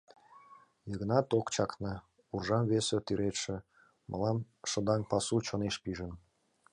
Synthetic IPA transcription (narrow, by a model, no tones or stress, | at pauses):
jɤɣnɑt̪okt͡ɕɑknɤ̆ | urʒɑmβesĕt̪yɾet̪ʃĕ | mʔə̰lɑm | ʃə̆d̪ɑnpɑsut͡ɕoneʃpiʒə̆n